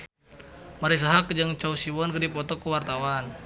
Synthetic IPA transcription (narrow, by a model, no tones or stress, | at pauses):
maɾis̬aɦakd͡ʒaŋt͡ʃausiwɔnkədipɔt̪ɔkəwart̪awan